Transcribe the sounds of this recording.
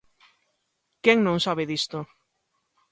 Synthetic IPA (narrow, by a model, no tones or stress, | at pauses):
kɛŋnõŋsaβeðist̪o